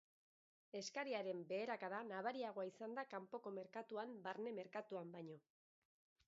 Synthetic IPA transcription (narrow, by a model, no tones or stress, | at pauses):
e̞skaɾiaɾe̞mbe̞ːɾakaðanaβaɾiaɣ̞o̞aisand̪akampo̞ko̞me̞ɾkat̪uambaɾne̞me̞ɾkat̪uambaɲo̞